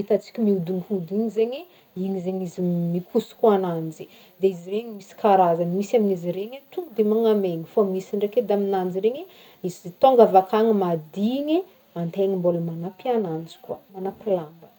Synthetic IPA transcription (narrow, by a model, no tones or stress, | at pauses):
it̪at͡si̥kʲimiud̪uŋihud̪iɲizeɲe | iɲizeɲizimikʰusi̥kanand͡ʒi | d̪eizireɲimisi̥kaɾazanimisaminiziɾeɲet̪uŋɡud̪emaŋameɲifamisiɳɖ͡ʐeked̪aminand͡ʒiɾeɲe | izzt̪oŋɡavakaŋimad̪iɲe | ant̪eŋimboləmanapianand͡zi̥kuamanapilambə